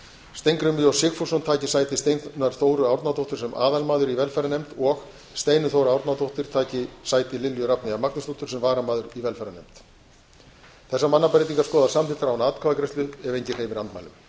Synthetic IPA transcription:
st̪ejŋkɾʏmiɔwsɪːkfosɔnt̪ʰaːjcɪsaːjt̪ɪst̪ejnnaɾ̥θoːwɾʏawɾt̪nat̪ʰowht̪ʏ̥sɛmʔa̰ːðalmaːðʏɾivɛlfɛɾanemt̪ɔɣ | st̪ejnʏθoːwɾʏawɾt̪nat̪owht̪ɪɾ̥t̪ʰaːjcɪsaːjt̪ɪlɪljʏɾapnɪavmaknʏst̪oht̪ʏɾsɛmvaːɾamaːðʏɾivɛlfɛɾanḛmt̪ | θɛsːamanːapaɾɪjt̪iŋkaskɔːðasamt̪iːt̪aɾawnaːt̪kʰavakɾɛst̪lʏɛvejɲcɪrheːjvɪɾant̪ma̰jlʏ̰m

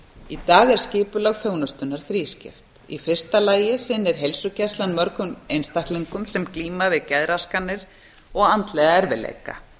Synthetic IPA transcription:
it̪aːɣɛɾ̥scɪːpʏlaɣθjoːwnʏst̪ʏnːaɾ̥θɾiːscɪ̰ft̪ | ḭfɪr̥st̪alaːjɪsɪnːɪɾ̥ɦejlsʏcɛst̪lanmœɾkʏmejnst̪aht̪liŋkʏmsɛmkliːmavɪðcɛðɾaskanːɪɾ̥ | ɔɣant̪lɛɣaɛɾvɪ̰lḛjka̰

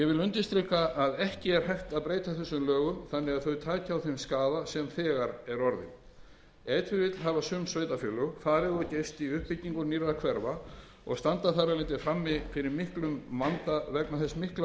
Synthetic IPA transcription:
jɛvɪlʏnt̪ɪst̪ɾikaʔːðɛhcɪɛɾ̥hɛjht̪aðpɾeːjt̪aθɛsːʏmlœːɣʏmθanːɪɣaðθœɥt̪ʰaːcɪawθejmskaːðasɛmθɛːɣaɾɛɾɔɾðɪ̰n | ɛːt̪ʰʏvɪt̪lɦavasʏmsveːjt̪afjʏlʏɣfaːɾɪðɔceːjst̪iʏhpɪcːiŋkʏniɾðakʰvɛɾva | ɔ̰ɣst̪ant̪aθaɾalɪnt̪ɪfɾamːɪfɪɾɪɾmɪhklʏmvant̪avɛknaθɛsmɪhkla

